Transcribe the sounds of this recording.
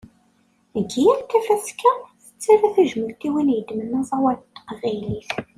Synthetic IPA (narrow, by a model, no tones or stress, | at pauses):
əɡijæɾt̪ːæfæskæθə̥t͡sːæɾæθæʒəməlt̪iwinjəd̪mənːæzˤɑwæɾt̪ːqʁiliθ